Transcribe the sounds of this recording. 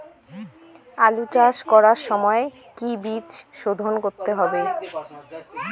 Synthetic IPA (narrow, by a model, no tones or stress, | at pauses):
alut͡ɕaʃkɔɾaɾʃɔmɔe | kibit͡ɕʃod̪ʱonkoɾt̪eɦɔbe